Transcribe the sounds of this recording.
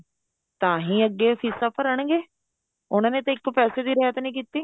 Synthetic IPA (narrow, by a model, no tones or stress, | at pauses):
t̪ãːɦĩːəɡːeːpʰiːsaːpəɾəɳɡeː | ʊnãːneːt̪ãɪkːpɛːseːd̪iːɾɛːət̪nĩːkiːt̪ːiː